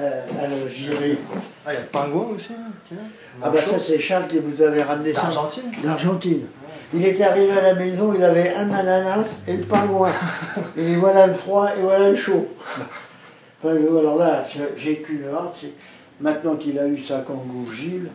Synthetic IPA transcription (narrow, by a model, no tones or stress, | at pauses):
aləʒiʁi | əpɛ̃ɡwɛ̃osit̪ | abasasɛʃaʁlkʲivuzavɛʁamnesaʒ̃t̪ind̪aʁʒɑ̃t̪in | ilet̪ɛaʁivealamɛzɔ̃ilavɛʔɛ̃nananaseləpɛ̃ɡwɛ̃ | vwalaləfχwaevwalaləʃo | pɛ̃ɡalɔʁlasəʒekʲyləaʁd̪sɛ | mɛ̃t̪nɑ̃kilaysakɑ̃ɡoʒil